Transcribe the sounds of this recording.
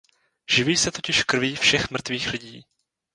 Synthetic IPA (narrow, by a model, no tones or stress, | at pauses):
ʒ̥ɪviːsɛt̪o̞cɪʃkr̩viːfʃɛxmr̩t̪viːxlɪɟiː